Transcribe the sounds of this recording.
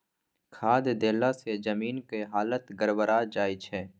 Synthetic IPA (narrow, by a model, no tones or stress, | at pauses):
kʰaːd̪d̪eːlased͡ʒəmiːnkeɦaːlət̪ɡəɾbəɾad͡ʒaːɪt͡ʃʰɛː